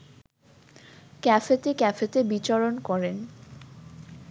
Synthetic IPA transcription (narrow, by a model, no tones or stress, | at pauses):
kɛfet̪ekɛfet̪ebit͡ɕɔɾonkɔɾen